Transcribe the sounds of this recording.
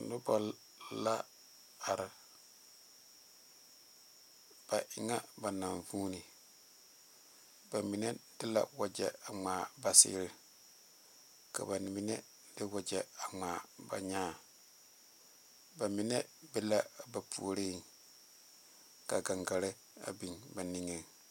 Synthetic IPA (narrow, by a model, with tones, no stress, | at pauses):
nʊ˦bɔ˨l | la˦ | a˨ɾɪ˨ | b̥a˨ʔɪ˨ŋa˦ba˨na˨ɱvuː˦ni˨ | ba˨mi˨nɛ˦d̥ɪ˦la̰˨wa˨d͡ʒɛ˨a˨ŋ͡maː˨ba˨sɪ̰˦ɾɪ˨ | ka̰˨ba˨n˨mi˦nɛ˦ | d̥ɪ˦wa˨d͡ʒɛ˨a˨ŋ͡maː˨ba̰˨ɲaː˦˨ | ba˨mi˨nɛ˦bɛ˦la˦ba˨pʰṵ˨o˨ɾe˦˨ | ka˨ɡa˨ŋɡa˨ɾɪ˦ | a̰˨bi˨ŋba˨ni˦ŋe˦